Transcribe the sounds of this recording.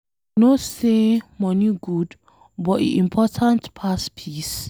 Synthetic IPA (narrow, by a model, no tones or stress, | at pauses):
nosemɔniɡud | bɔtḭʔĩmpʰɔtʰãntpʰaspʰis